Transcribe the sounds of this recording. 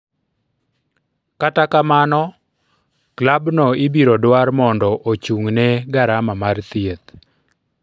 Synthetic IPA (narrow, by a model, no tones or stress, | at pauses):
katakamanɔ | klabnɔɪbiɾɔdwarmɔndɔʔot͡ʃuŋnɛɡaɾamamart̪iet̪̚